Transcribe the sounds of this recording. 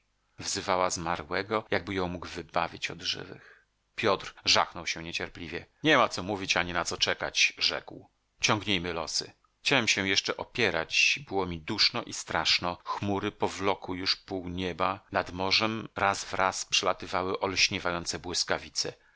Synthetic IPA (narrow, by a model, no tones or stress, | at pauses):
vzɘvawazmaɾwɛɡɔjaɡ̚bɘjɔ̃w̃muɡvɘbavʲit͡ɕɔd̪ʐɘ̰vɘ̰x | pʲjɔt̪rʐa̰xnɔwɕɛɲet͡ɕɛɾplʲivʲjɛɲɛmat̪sɔmuvʲit͡ɕaɲinat̪sɔt͡ʂɛka̰t͡ɕʐɛ̰kw | t͡ɕɔ̃ŋɡɲejmɘlɔsɘ | xt͡ɕawɛmɕɛ̃jɛʂt͡ʂɛʔɔpʲjɛɾa̰t͡ɕbɘwɔmʲid̪uʂnɔʔist̪ɾaʂnɔxmuɾɘpɔvlɔkujuʂpuwɲɛbanad̪mɔʐɛmɾazvɾʔaspʂɛlat̪ɘvawɘʔɔlɕɲɛvajɔnt̪sɛbwɘskavʲit̪sɛ̰